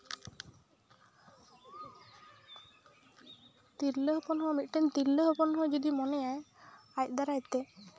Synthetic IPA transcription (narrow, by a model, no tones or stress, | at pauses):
t̪iɾləɦpɔnɦɔmit̪̚ˀʈɛnt̪iɾləɦɔpɔnɦɔjd͡ʒɔd̪imɔnɛjajaj̚ˀd̪aɾajt̪ɛ